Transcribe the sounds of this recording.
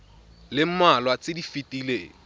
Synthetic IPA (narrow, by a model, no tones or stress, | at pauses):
lɪm̩malwat͡sʼɪdifitʼileːŋ̩